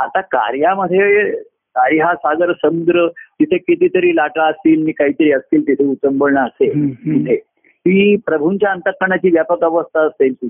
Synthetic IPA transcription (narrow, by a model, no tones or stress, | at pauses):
at̪aka̰ɾjaməd̪ʱːje | kaɾjasaɡəɾsəmud̪ɾət̪it̪ʰekit̪it̪əɾiːlaʈaəst̪iːlniːkaɦiːt̪əɾiːəst̪iːlt̪it̪ʰeut͡səmbəɭɳaəset̪it̪ʰe | t̪iːpɾəbʱunt͡ɕjaənt̪əkːəɳ̃at͡ɕiːʋjapəkəʋəst̪ʰaːst̪elt̪i